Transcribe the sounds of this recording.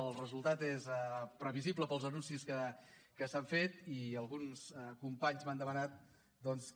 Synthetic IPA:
əlˠrəzulˠt̪at̪ezɛpɾəβizibləpəlˠzənunsiskə | kəsaɱfet̪iəlˠɣunsəkumpaɲzmand̪əmənat̪̚ | d̪ɔns

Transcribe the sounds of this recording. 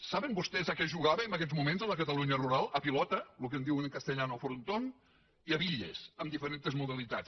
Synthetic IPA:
saβəmbust̪ɛzəkɛʒuɣaβəmbəkɛzmumenzələkət̪əluɲəruɾalˠəpilɔt̪əlukənd̪iwənkəst̪əʎanofuɾunt̪on | iəβiʎḛsəmd̪ifəɾent̪əzmuðəlit̪at͡s

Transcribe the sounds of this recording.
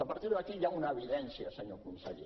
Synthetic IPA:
əpəɾt̪iɾðəkiʎaunəːβiðɛnsiəsəɲokumisa̰ɾḭ

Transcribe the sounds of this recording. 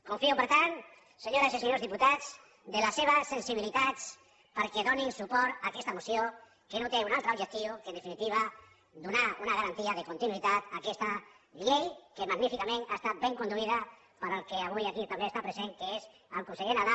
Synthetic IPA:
kuɱfiupəɾt̪an | seɲoɾasiseɲozðiput̪at͡s | d̪elaseβ̞asensiβilit̪at͡s | pəɾkeðoninsupɔɾt̪akɛst̪amusijo | kenot̪eunalˠt̪ɾaubʒek̚t̪iokeənd̪efinit̪iβ̞a | d̪unaunaɣaɾant̪iaðekunt̪inuit̪at̪akɛst̪a | ʎejkemaɣnifikamẽnaest̪at̪̚beŋkund̪uiða | pəɾalˠkeaβ̞ujakit̪ambest̪apɾezeŋkeez | alkunseɣenaða

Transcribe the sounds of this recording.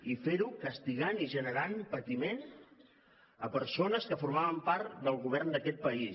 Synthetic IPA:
ifeɾukəst̪iɣaniʒənəɾanpət̪imen | əpəɾsonəskəfuɾmaβəmpaɾt̪d̪əlˠɣuβ̞ɛrnd̪əkɛt̪̚pəis

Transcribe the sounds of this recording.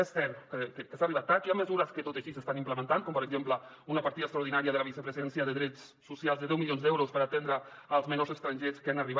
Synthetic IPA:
essɛɾkəkəkəsariβat̪ːat͡ʃaməzuɾəskət̪ot̪əʃisəst̪animpləmə̃nt̪ankɔmpəɾəɡzemplə | unapaɾt̪iðəkst̪ɾauwɾð̞inaɾiəðələβisəpɾəzɛnsjəðəðɾɛt͡sːusjalˠzðəðɛwmiljonzd̪ɛwɾuspəɾat̪end̪ɾəːlˠzmənozəst̪ɾanʲʒeskanariβ

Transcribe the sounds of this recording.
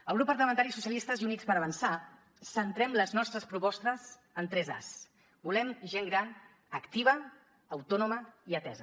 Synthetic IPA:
əlˠɣɾupːəɾləmənt̪aɾisusiəlist̪əziunikspəɾəβənsa | sənt̪ɾɛmləznɔst̪ɾəspɾupɔst̪əs | ənt̪ɾɛza̰s | bulɛmʒeŋɡɾan | əkt̪iβ̞əː | wt̪ɔnuməiət̪ɛzə

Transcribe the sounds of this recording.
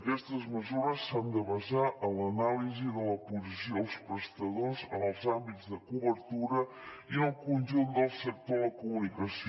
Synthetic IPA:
kɛst̪əzməzuɾəsːand̪əβəzaʔələnaliziðələpuzisiolˠspɾəst̪əðozəlˠzambit̪zðəkuβəɾt̪uɾə | iəlˠkunʲʒund̪əlˠsək̚t̪oðəkumunikəs

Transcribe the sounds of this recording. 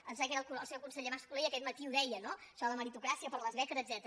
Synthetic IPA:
ənsakɛɾəlˠkuəlˠsɛwkunsəʎemaskuliiəkɛt̪̚mət̪iuðɛjənoʃɔðəməɾit̪ukɾasiəpəɾləzβɛkəzəd̪zɛt̪ɾ

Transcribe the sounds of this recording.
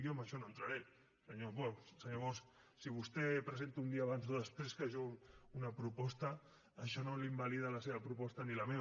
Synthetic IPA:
jomaʃɔnoənt̪ɾaɾe | səɲoβɔsəɲoβɔs | siβust̪ɛpɾəzent̪uund̪iaːβ̞anzoðəspɾeskaʒounɐpɾupɔst̪əː | ʃɔnolimbaliðalɐseβɐpɾupɔst̪ɐnilame

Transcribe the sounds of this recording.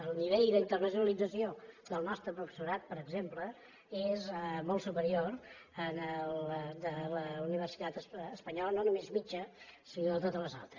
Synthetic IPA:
əlˠniβ̞eʎd̪əint̪ərnəs̬junəlid͡zəsioðəlˠnɔst̪ɾəpɾufə̥suɾat̪̚pəɾəɡzemplə | ezmɔlˠsupəɾioɾ | ənəlˠd̪ələuniβ̞ərsi̥t̪at̪əsːspəɲɔlənonumezmit͡ʃəsinoət̪ot̪ələza̰lˠt̪ɾəs

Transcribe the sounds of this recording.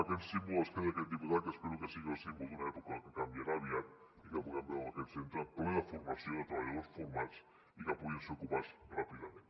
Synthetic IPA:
akensimboeskeðeked̪ipuðakespeɾukesiɣaosemozðunaepokaakekambjaɾaβiat̪̚ | ikapokambaakensent̪ɾap̪lelafuɾmasjoet̪ɾaβaʎaðoɾsfoɾmat͡s | ikapuðiseokupasrapiðament̪

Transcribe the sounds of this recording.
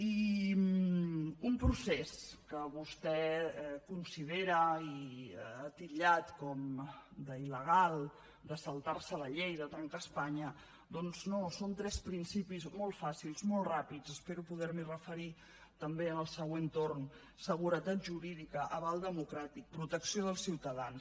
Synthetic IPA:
i | umpɾuseskəβust̪ɛɛkunsið̞eɾəiət̪iʎat̪kɔmd̪əiləɣ̞alˠ | d̪əsəlˠt̪aɾsələʎejðət̪ɾaŋkəspaɲə | d̪ɔnznosont̪ɾɛspɾinsipizmɔlˠt̪fasilˠzmɔlˠt̪rapid͡zəspeɾupuð̞ɛɾmirəfəɾi | t̪əmbeənəlˠsəɣwent̪orn | səɣ̞uɾət̪at̪̚ʒuɾiðikəʔəβalˠd̪əmukɾat̪ik̚pɾut̪əksioðəlˠsiwt̪əðans

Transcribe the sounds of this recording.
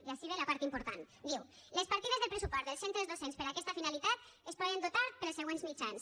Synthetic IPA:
iaʃiβelapaɾt̪impuɾt̪an | d̪iwlespaɾt̪iðezðelpɾesupɔzelsent̪ɾezðosenspəɾakɛst̪afinalit̪at̪ | espɔðənd̪ot̪aɾpəɾlseɣwenzmit͡ʃans

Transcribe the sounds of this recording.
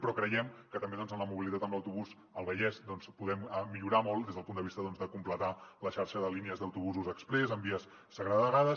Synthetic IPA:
pɾɔkɾəjɛmkət̪əmbeðɔnzənləmuβilit̪at̪əmləwt̪uβus | əlˠβəʎɛzd̪ɔnspuðɛməːiʎuɾamɔlˠd̪ezðəpund̪əβist̪əðɔnzðəkumplət̪aləʃaɾʃəðəliniəzðəwt̪uβuzuzəkspɾɛzəmbiəsːəɣɾaðəɣaðə

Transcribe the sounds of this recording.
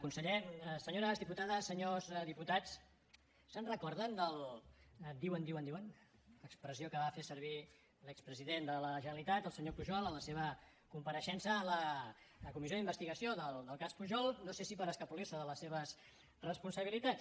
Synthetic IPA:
kunsəʎesəɲoɾəzðiput̪aðəsːəɲosðiput̪at͡s | sənrəkɔɾðənd̪əlˠ | d̪iwənd̪iwənd̪iwən | əkspɾəziokəβafesəɾβ̞i | ləkspɾəziðend̪ələʒənəlit̪at̪əlˠsəɲopuʒɔlˠələseβ̞ə | kumpəɾəʃɛnsəːlə | kumizjoðimbəst̪iɣəsioðəlˠd̪əlˠkaspuʒɔlˠnosesipəɾəskəpulirsəðələsːeβ̞əs | rəspunsəβilit̪at͡s

